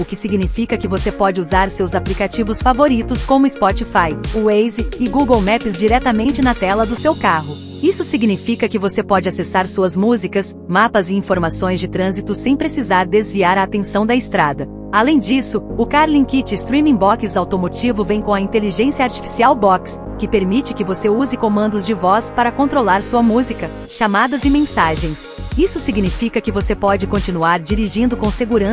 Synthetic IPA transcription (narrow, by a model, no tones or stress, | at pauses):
ʊkɪsiɡnifikɐkɪvosepɔd͡ʒɪuzaɾsewzaplikat͡ʃivʊsfavoɾit̪ʊskõmʊɪspɔt͡ʃifajʊejzɪɪɡuɡowmɛpɪzd͡ʒiɾɛt̪ɐmẽnt͡ʃɪnɐt̪ɛlɐd̪ʊsewkaɦʊ | isʊsiɡnifikɐkɪvosepɔd͡ʒɪasesaɾsuɐzmuzikɐs | mapɐzɪĩfoɾmasõj̃zd͡ʒɪt̪ɾɐ̃zit̪ʊsẽj̃pɾesizaɾd̪ezviaɾɐːt̪ẽsɐ̃w̃d̪ɐɪst̪ɾad̪ɐ | alẽj̃d͡ʒisʊʊkaɾlĩkit͡ʃɪst̪ɾĩmĩbɔkzawt̪omot͡ʃivʊvẽj̃kõw̃ɐĩnt̪eliʒẽsiɐaɾt͡ʃi̥fi̥siawbɔks | kɪpeɾmit͡ʃɪkɪvoseuzɪkõmɐ̃nd̪ʊzd͡ʒɪvɔspaɾɐkõnt̪ɾolaɾsuɐmuzikɐ | ʃamad̪ɐzɪmẽsaʒẽj̃s | isʊsiɡnifikɐkɪvosepɔd͡ʒɪkõnt͡ʃinuaɾd͡ʒiɾiʒĩnd̪ʊkõseɡuɾɐ̃s